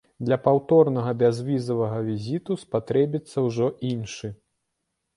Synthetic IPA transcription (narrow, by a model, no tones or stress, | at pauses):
d̪lʲɐpawt̪ɔrnɐɣɐbʲazvʲizɐvɐɣɐvʲizʲit̪uspat̪ɾɛbʲit̪sːɐwʐɔʔinʂɨ